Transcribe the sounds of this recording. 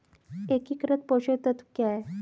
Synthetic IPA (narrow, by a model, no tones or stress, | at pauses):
ekikɾət̪̚pɔɕet̪ət̪kja